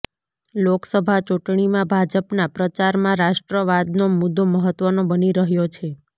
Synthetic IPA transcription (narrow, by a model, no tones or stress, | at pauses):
loksəbʱat͡ʃuʈɳimãbʱad͡ʒəpnapɾət͡ʃaɾmãɾaʃʈɾəʋad̪nomud̪ʱːoməɦət̪ʋənobəniɾəɦjot͡ʃʰe